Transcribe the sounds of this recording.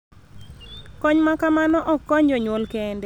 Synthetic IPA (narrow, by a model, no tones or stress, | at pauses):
kɔɲmakamanɔʔɔkːɔɲd͡ʒɔɲwolkɛndɛ